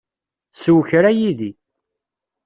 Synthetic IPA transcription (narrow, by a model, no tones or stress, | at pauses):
θswçɾæjiði